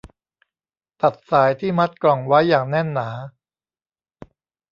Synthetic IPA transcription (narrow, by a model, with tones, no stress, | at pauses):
t̪a˨˩t̪̚saː˩˦jt̪ʰiː˥˩ma˦˥t̪̚klɔ˨˩ŋwa˦˥jːaː˨˩ŋnɛ˥˩nːaː˩˦